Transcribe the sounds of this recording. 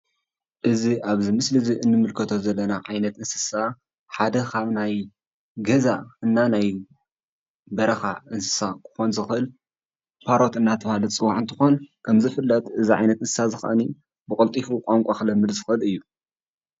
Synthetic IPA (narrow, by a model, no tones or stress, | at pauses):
ʔɨziʔaβzimɨslɨziʔɨnːɨmɨlkʰɐt̪ʰo̞zɐlːɐnaʕajnɐt̪ɨnsɨsa | ħad̪ɐkʰaβnaj | ɡɐzaɨnːanaj | bɐɾɐxaʔɨnsɨ̥sakʰɨ̥xo̞nzɨxʔɨl | pʰaɾo̞t̪ɨnːat̪ʰɐβalɨt͡sʼɨwaʕɨnt̪ʰɨ̥xo̞nkʰɐmzɨfɨlːɐt̪ʼɨziʕajnɐt̪ɨnsɨ̥sazɨxʔɐni | bɨkʼɨlt̪ʼifukʼaŋkʷʼaxɨlɐmːɨd̪zɨxɨʔɨlɨjːu